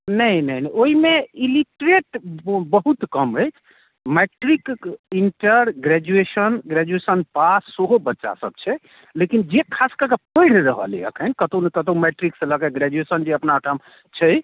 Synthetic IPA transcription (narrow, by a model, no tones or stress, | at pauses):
nəjnəjnɛoɦimeiliʈɾeʈbəɦut̪kəmɦəj | meʈɾikiɳʈəɾɡɾɛd͡ʒuesənɡɾɛd͡ʒuesənpasːoɦobətːʃa̰sə̰b̚t͡ʃʰɛ | lekind͡ʒekʰaskəkepəjɽ̤ɾəɦə̰lḭjə̰kʰənkət̪onekət̪omeʈɾiksẽləkɛɡɾɛd͡ʒuesənd͡ʒeəpnaəʈʰəm | t͡ʃʰəj